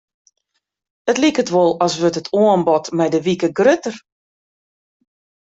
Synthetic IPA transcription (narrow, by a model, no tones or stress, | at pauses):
ətlikətʋolˠɔsʋøtətʰoənbɔtmɛjdəʋikəɡrøtər